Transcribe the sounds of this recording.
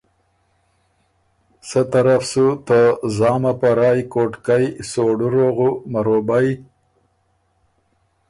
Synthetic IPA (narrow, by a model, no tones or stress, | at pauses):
sət̪aɾafsut̪əzɑːmapaɾɑːjkoʈkajsoɖuɾoɣumaɾobaj